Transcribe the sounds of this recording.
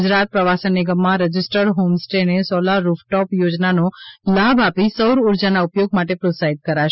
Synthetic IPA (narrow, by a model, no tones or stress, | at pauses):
d͡ʒɾat̪̚pɾəʋasənːiɡəmːãɾəd͡ʒɪsʈəɾɦomsʈenesɔlaɾufʈɔpjod͡ʒnanolabapisəwɾuɾd͡ʒanaupjoɡ̚maʈepɾosaɦid̪̚kəɾaʃ